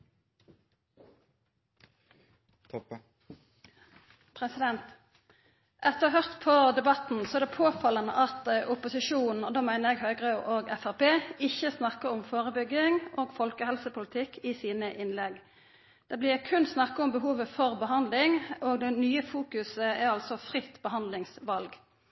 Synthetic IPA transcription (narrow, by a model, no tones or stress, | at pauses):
pʰɾɛsɪd̪ɛnt̪ | ʔɛt̪ːəʁɦœʁt̪pʰɔd̪ɛbɑt̪n̩sɔɛʁd̪ɛpʰoːfɑlənəʔɑt̪ʔʊpʊsɪʂuːnn̩ɔd̪oːmæɪnəʁɛɡɦœʏɡʁɑʉʔoːɡɛfæʁpeːɪçːəsnɑkːəʊmfoːʁəbʏɡɪŋʔoːɡfɔlkəhɛlsəpʰʊlɪt̪ʰɪkʰːɪsiːnəʔɪnlɛɡ | d̪̥ɛblɪːʁkʰʉnsnɑkːəʊmbəɦuːʋəfɔʁbəɦɑnd̪lɪŋoːɡd̪ɛnyːəfuːkʉsəɛʁɑlsɔfʁɪt̪ːbəɦɑnd̪lɪŋsʋɑlɡ